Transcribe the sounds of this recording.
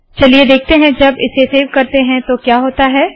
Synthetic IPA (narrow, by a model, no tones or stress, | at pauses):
t͡ʃɐlied̪eːk̚ʰt̪eɦɛ̃d͡ʒɐbɪseseːʋkɐɾt̪eɦɛ̃t̪okjaːɦoːt̪aɦɛː